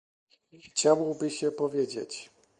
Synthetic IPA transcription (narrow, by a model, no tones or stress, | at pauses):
xt͡ɕawɔbɘɕɛpɔvʲjed͡ʑḛt͡ɕ